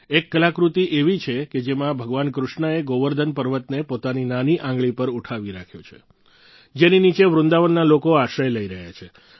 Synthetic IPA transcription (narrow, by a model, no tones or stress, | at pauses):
ekːəlakɾut̪iʔeʋit͡ʃʰeked͡ʒemãbʱəɡʋankɾʊʃɳaeɡoʋəɾd̪ʱənpəɾʋət̪nepot̪aninaniʔãŋɡɭipəɾuʈʰaʋiɾakʰjot͡ʃʰḛ | d͡ʒeninit͡ʃeʋɾʊ̃nd̪aʋənːalokoaʃəjləiɾəɦja̰t͡ʃʰe